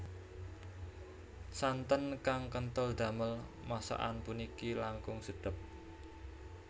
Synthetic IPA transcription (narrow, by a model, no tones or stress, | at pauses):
sant̪ənkaŋkənt̪əld̪̥ä̤məl | masa̰ʔa̰npunikilaŋkʊŋsəɖ̥ə̤p̚